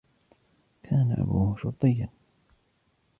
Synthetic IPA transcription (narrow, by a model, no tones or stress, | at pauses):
kʰaːnaʔa̰buːhʃʊɾt̪ˤɨjːan